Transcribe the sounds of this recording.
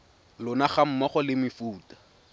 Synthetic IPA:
lʊnaχam̩mɔχɔlɪmɪfuːtḁ

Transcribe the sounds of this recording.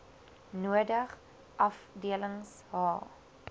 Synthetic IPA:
nuədəχ | ʔɐfdiələŋs | ɦɑː

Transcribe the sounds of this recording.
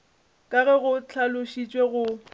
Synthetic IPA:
kʼaɣɛɣʊt͡ɬʰalʊʃit͡ʃʼweɣʊ

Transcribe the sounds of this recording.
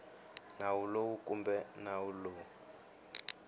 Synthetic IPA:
nawulowukʼumbɛnawulou

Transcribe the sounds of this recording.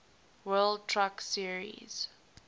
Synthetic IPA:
wɜld̚tʰɹaksiəɹḭz̥

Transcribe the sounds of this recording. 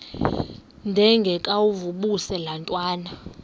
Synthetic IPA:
ndʱɛŋɡʱɛkʼawuvuɓusɛlantʼwaːna

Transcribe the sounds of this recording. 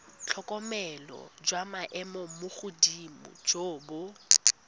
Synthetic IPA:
t͡ɬʰɔkʼɔmɛlɔ̰d͡ʒwamaʔɛmɔmʊχʊdimʊ̰d͡ʒoːbʊ

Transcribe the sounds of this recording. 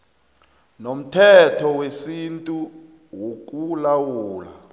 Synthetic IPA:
nom̩tʰɛtʰɔwesintʼu | wok̬ʼulawuːla̰

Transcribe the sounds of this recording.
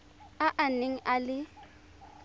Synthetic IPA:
aʔaneŋ̩ʔalɪ

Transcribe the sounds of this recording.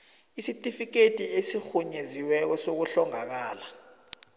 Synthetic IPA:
isitʼifik̬etʼiesixuɲeziwɛk̬ɔsok̬uɬɔŋak̬aːla

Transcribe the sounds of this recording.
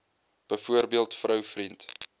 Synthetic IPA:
b̥əjfuərbiəlˠtfrœwfrint

